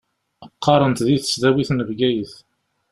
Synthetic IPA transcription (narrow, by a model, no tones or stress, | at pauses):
əqʰːɑɾˤənt̪ðiθə̥sðæwiθnəvɡæjəθ